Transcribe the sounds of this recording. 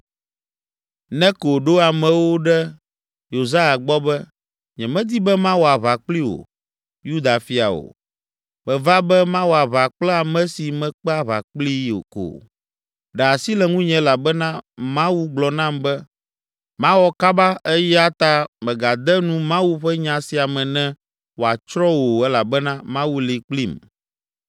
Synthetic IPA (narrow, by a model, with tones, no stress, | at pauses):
nɛ̃˦ko˨ɖo˦a˨mɛ̃˨wo˦ɖɛ˦ | jo˨za˦ja˨ɡ͡bɔ˦bɛ˦ | ɲɛ̃˨mɛ̃˦d̪i˦bɛ˦mã˦wo˨a˨βa˨k͡pli˦wo̰˨ | ju˦d̪a˨fi˦a̰˨o̰˨ | mɛ̃˨va˦bɛ˦mã˦wo˨a˨βa˨k͡plɛ˦a˨mɛ̃˦si˨mɛ̃˨k͡pɛ˦a˦βa̰˨k͡pli˦o̰˨ko̰˨ | ɖɛ˨a˨si˦lɛ˨ŋũ˦ɲɛ̃˨˦la˨bɛ˦nã˦mã˦wu˦ɡ͡blɔ˨nã˦mbɛ˦ | mã˦wɔ˦ka˦ba˦ʔɛ˦jɛ˦a˦t̪a˦mɛ̃˨ɡa˨d̪ɛ˦nũ˦mã˦wu˦ɸɛ˦ɲã˨si˨a˨mɛ̃˨nɛ̃˦ | wo˨a˨t͡ʃɾɔ˦wo˨ɛ˦la˨bɛ˦nã˦mã˦wu˦li˨k͡pli˦m